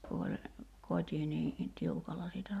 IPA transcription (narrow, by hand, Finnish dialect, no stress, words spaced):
ku olʲ kotʲi niː tiukɑlːɑ siːtæ